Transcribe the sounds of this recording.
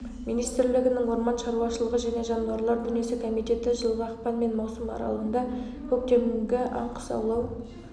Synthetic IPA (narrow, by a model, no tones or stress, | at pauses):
mijnijst̪ɪɾlɪɡʲɪnɪŋwoɾmɑnʃɑɾuwɑʃəlˠəʁəʒæne̞ʒɑnɑɾlˠɑɾd̪ʏnije̞sɪkʰo̞mijt̪e̞t̪ɪʒəlˠʁɑɑqpɑnme̞nmɑwsəmɑ̰ɾɑ̰lˠəʁənd̪ɑ | kʰɵk̚t̪e̞ɾɪŋɡʲɪʔɑ̰ɴqʰə̥sɑ̰wlˠɑw